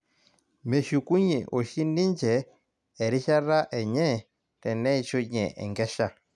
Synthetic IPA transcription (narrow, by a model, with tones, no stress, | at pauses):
mɛ˨ʃi˨ku˦ɲɛ̰˨ʔo˨ʃi˦ni˦nd͡ʒɛː˨ | ɾi˦ʃa˦ɾa˦ʔɛ˨ɲɛ˦ | tɛ˨nɛ˦i˦t͡ʃo˦ɲɛ̰˨ʔɛ̰˨ŋɡɛ˦ʃa˦˨